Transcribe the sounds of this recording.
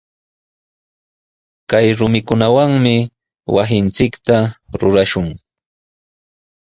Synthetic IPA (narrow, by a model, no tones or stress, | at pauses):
kajɾʊmɪkʊnawaŋmɪ | wasɪnt͡sɪkt̪aɾʊɾaʃʊŋ